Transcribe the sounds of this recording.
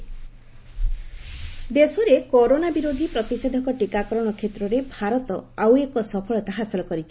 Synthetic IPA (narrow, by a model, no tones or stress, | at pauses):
d̪esɔɾekoɾonabiɾod̪ʱipɾɔt̪ised̪ʱɔkɔʈikakɔɾɔɽ̃ɔkʰet̪ɾɔɾebʱaɾɔt̪ɔawekɔsɔpʰɔɭɔt̪aɦasilɔkɔɾit͡ʃʰi